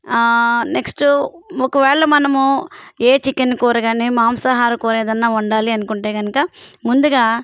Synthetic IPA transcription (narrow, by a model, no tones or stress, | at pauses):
neksʈuɔkɐʋɛːɭɐmɐnɐmueːt͡ʃikenkɔːɾɐɡaːnimaːmsɐɦaːɾukɔːɾɐeːd̪ɐnːaːuɳɖaːliɐnukuɳʈeːɡɐnɐkɐmund̪uɡaː